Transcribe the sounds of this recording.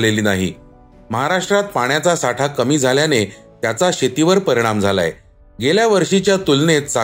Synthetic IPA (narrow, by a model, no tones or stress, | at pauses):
leliːnaɦḭː | məɦaɾaʂʈɾat̪̚paɳ̃jat͡sasaʈʰakəmiːd͡zʱaljane | t̪jat͡saɕet̪iʋəɾpəɾiɽ̃amd͡zʱala̰ḛ | ɡeljaʋəɾʂit͡ɕjat̪ulnet̪sa